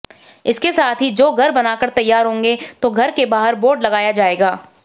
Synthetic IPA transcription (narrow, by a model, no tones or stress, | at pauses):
ɪskesaːt̪ʰɦid͡ʒoːɡʱɐɾbɐnaːkɐɾt̪ɐjːaːɾɦõːŋɡet̪oɡʱɐɾkebaːɦəɾboːɾɖlɐɡaːjad͡ʒaːeːɡaː